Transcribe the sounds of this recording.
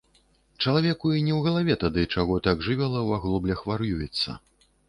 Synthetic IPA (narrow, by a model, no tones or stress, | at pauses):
t͡ʂɐlˠavʲɛkuinʲɛwɣɐlˠavʲɛt̪ad̪ɨt͡ʂaɣɔt̪aɡʐɨvʲɛlˠɐwaɣlˠɔblʲɐxvaɾjujɛt̪sːɐ̰